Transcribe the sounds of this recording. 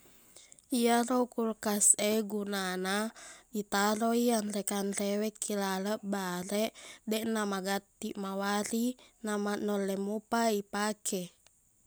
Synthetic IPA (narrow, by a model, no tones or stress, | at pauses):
ijaɾoukurkasɛɡunanait̪aɾoianrɛkanrɛwɛkʰːilaləʔbaɾɛʔdɛʔnamaɡat̪ːiʔmawaɾinamanɔlːɛmupaipakʰɛ